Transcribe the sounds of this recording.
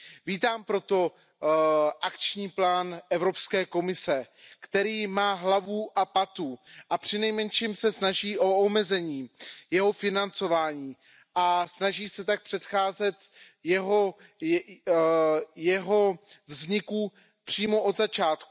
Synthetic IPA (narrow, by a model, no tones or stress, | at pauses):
viːt̪aːmpɾo̞t̪o̞ | ʔakt͡ʃɲiːplaːnʔɛvɾo̞pskɛːko̞mɪsɛ | kt̪ɛɾiːmaːɦlavuʔapat̪uʔapr̝̥ɪnɛjmɛnʃimsɛsnaʒiːʔo̞omɛzɛɲiːjɛɦo̞fɪnant͡sovaːɲiː | ʔasnaʒiːsɛt̪ak̚pr̝̥ɛt̪xaːzɛt̪jɛɦo | jɛɦo̞vzɲɪku | pr̝̥iːmo̞ʔod̪zat͡ʃaːt̪ku